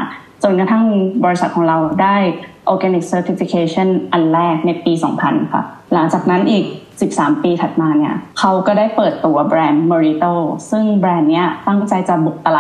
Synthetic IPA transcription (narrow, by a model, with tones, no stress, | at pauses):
t͡ɕo˨˧˩nka˧t̪ʰa˥˩ŋbɔː˧ɾi˦sa˨˩t̪̚kʰɔː˩˦ŋɾa˧wdaː˥˩jʔoː˧kɛ˧ni˨˩k̚səː˧t̪ʰi˨˧˥fi˧kʰeː˧t͡ɕʰɔ˥˩nʔa˧nlɛː˥˩k̚na˧jpiː˧sɔ̰ː˩˦ŋpʰa˧nkʰa̰˥˩ | la˩˦ŋt͡ɕaː˨˩k̚na˦˥nʔiː˨˩k̚si˨˩p̚saː˩˦mpiː˧t̪ʰa˨˩t̪̚maː˧ni˥˩ɐkʰa˦˥wkɔː˥˩daː˥˩jpɤː˨˩t̪ːu˧˩ɐbɾɛː˧nːɔː˧ɾi˦t̪oː˥˩sɯ˥˩ŋbɾɛː˧nːi˦˥ɐt̪a˥˩ŋt͡ɕa˧jt͡ɕa˨˩bu˨˩k̚t̪a˧laː˨